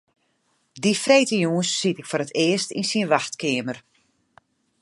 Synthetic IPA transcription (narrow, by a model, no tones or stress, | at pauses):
difreːtəjuːənsːitɪkfoɾətʰɪəstḭnsinʋaxtkɪəmər